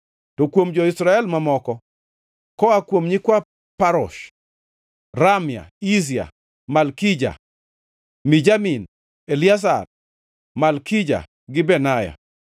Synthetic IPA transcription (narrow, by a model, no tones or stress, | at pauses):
tɔkwomd͡ʒɔisɾaɛlmamɔkɔ | kɔakwomɲikwa | paɾɔʃ | ɾamja̰is̬ia̰ | malkid͡ʒa̰ | mid͡ʒamin | elias̬a̰r | malkid͡ʒa̰ | ɡɪbɛnaja̰